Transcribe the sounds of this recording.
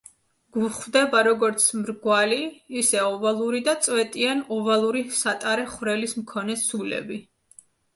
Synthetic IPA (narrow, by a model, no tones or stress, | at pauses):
ɡ̥uχvd̪ɛbaɾɔɡɔɾt̪sʰmɾɡwaliːsɛɔvalˠuɾid̪at̪sʼwɛt̪ʼianɔvalˠuɾisat̪ʼaɾɛχwvɾɛlismkʰɔnɛsulɛ̰bi